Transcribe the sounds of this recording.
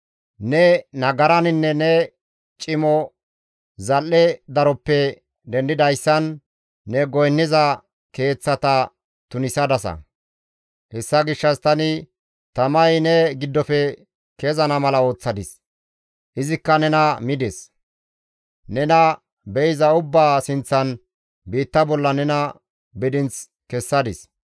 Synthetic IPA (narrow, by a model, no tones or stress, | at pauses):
nɛnɐɡɐɾɐnɪnːɛnɛ | t͡ʃʼɪmɔ | zɐlːɛd̪ɐɾɔpːɛ | d̪ɛnd̪ɪd̪ɐjsːɐnː | ɛɡɔjnːɪzɐ | ke̞ːt͡sːɐt̪ɐ | t̪ʊnɪsɐd̪ɐsɐ̰ | hɛsːɐɡɪʃːɐst̪ɐnɪ | t̪ɐmɐjnɛɡɪd̪ːɔfɛ | kezɐnɐmɐlɐo̞ːt͡sːɐd̪ɪs | ʔɪzɪkːɐnɛnɐmɪd̪ɛs | nɛnɐ | bɛjɪzɐʊbːaːsɪnt͡sːɐn | biːt̪ːɐbɔlːɐnɛnɐ | bɪd̪ɪnt͡s | kɛsːɐd̪ɪs